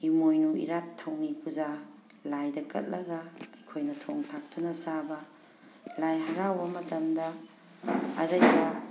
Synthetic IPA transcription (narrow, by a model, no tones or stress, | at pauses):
imojnuḭɾatʰːɐwŋikʰuza | lajdɐkʰɐ̰t̚lɐɡɐɐjkʰojnɐtʰoŋtʰak̚tʰɐnɐsabɐ | lajɦɐɾawbɐmɐtɐmdɐ̰ː | ɾɐba